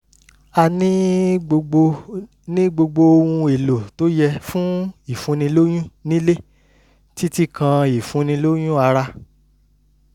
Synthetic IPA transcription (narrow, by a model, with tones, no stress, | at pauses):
a˧nĩ˦ɡ͡bo˧ɡ͡bo˧ | nĩ˦ɡ͡bo˧ɡ͡bo˧o˧wũ˧e˨lo˨to˦jɛ˧fũ˦i˨fũ˨˦nĩ˧lo˦j̃ũ˦nĩ˦le˦ | ti˦ti˦kã˧i˨fũ˨˦nĩ˧lo˦j̃ũ˦a˧ɾa˧